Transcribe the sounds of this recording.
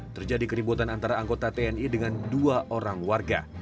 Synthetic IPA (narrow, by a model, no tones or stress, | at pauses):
t̪ərd͡ʒadikəɾibut̪anant̪aɾaːŋɡot̪at̪eɛnidəŋanduaʔoɾaŋwarɡa̰